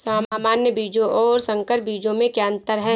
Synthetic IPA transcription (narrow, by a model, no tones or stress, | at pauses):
saːmːmaːnjəbiːd͡ʒõʔɔːɾsɐ̃ŋkəɾbiːd͡ʒõmẽkjaːə̃nt̪əɾɦɛ